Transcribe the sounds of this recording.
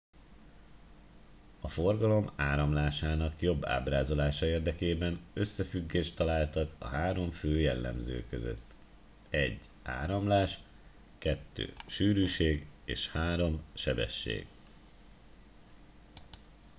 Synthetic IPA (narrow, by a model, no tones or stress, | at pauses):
ɒfo̞rɡɒlo̞maːɾɒmlaːʃaːnɒkjo̞bːa̰ːbraːzo̞laːʃɒeːrd̪ɛkeːbɛnø̞sːɛfyɡːeːʃt̪ːɒlaːlt̪ɒkɒ̰ɦaːɾo̞ɱføːjɛlːɛ̰mzø̰ːkø̰zø̰t̪ː | ɛɟː | a̰ːɾɒmlaːʃ | kɛt̪ːø̰ːʃyːɾyːʃeːɡḛːʃhaːɾo̞mʃɛbɛ̰ʃːḛːɡ